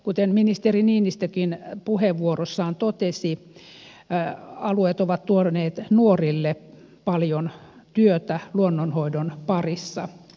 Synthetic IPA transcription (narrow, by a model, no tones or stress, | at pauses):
kut̪enminist̪eriniːnist̪økinpuheʋʋuorosːɑːnt̪ot̪esi | ɑluet̪oʋɑt̪t̪uoneːt̪nuorilːe | pɑljon | t̪yøt̪æluonːonhoidonpɑrisːɑ